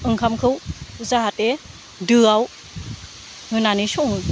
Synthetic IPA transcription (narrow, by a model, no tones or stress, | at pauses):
ʔɯŋkʰamkʰɯwzaɦate | dɯaw | ŋɯnanisuŋɯ